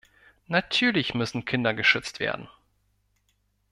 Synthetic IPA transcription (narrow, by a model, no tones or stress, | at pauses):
natʰyːɐlɪçmʏsn̩kʰɪndɐɡəʃʏt͡stv̥ḛːɐdn̩